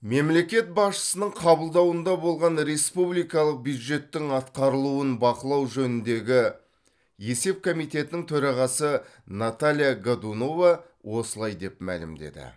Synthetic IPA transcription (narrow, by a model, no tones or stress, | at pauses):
me̞mle̞kʲe̞t̪̚bɑsʃə̥sənəɴqʰɑbəlˠd̪ɑwənd̪ɑbo̞lˠʁɑnɾe̞spublˠijkɑlˠəq̚bjud̪ʒe̞t̪ːɪŋɑt̪qɑɾəlˠuənbɑqəlˠɑwʒɵnɪnd̪e̞ɡʲɪ | je̞se̞p̚kʰomijt̪e̞t̪ɪnɪŋt̪ʰɵɾɑʁɑsənat̪alʲijaɡad̪uno̞vɑ | wʔo̞səlˠɑjd̪e̞pmæ̰lɪ̰md̪e̞̰d̪ɪ̰